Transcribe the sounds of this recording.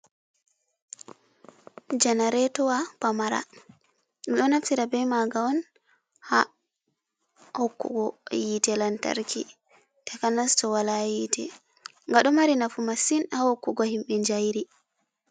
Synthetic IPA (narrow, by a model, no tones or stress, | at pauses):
d͡ʒanaɾɛtɔwapamaɾa̰ | miɗɔnaftiɾabɛmaɡaɔn | ha | hokːṵɡɔjitɛlanta̰ɾkʰḭ | takanastɔwalajitʰɛ̰ | ŋɡaɗɔmaɾinafumasinhahokːuɡɔhimɓɛɲd͡ʒajɾi